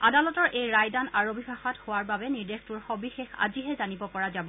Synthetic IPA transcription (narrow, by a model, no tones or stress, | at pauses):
adalɔtɔɹʔejɹajdanaɹobibʱaxɔthowaɹbabɛniɹdextuɹxɔbixexa̰ziɦɛzanibɔkɔɹazabɔ